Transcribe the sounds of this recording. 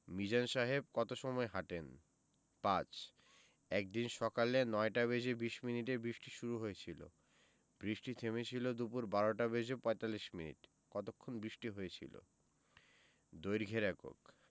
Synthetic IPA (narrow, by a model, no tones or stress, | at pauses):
mid͡ʑanʃaɦeb̚kɔt̪oʃɔmɔeɦaʈen | pat͡ɕ | ɛk̚d̪inʃɔkalenɔeʈaβed͡ʑebiʃminiʈebɾiʃʈiʃuɾuɦojet͡ɕʰilo̰ | bɾiʃʈit̪ʰemet͡ɕʰilod̪upuɾbaɾoʈabed͡ʑepɔet̪alːiʃminḭʈ | kɔt̪okʰːonbɾiʃʈiɦojet͡ɕʰḭlo̰ | d̪ojɾɡʱeɾɛko̰k